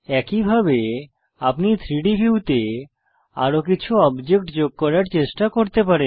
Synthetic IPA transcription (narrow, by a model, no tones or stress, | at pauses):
ɛkibʱabe | apnit̪ʰɾiɖibʱiut̪e | a̰ɾok̬it͡ɕʰuɔbd͡ʑek̚ʈd͡ʑoɡ̚kɔɾaɾt͡ɕeʃʈakoɾt̪epaɾen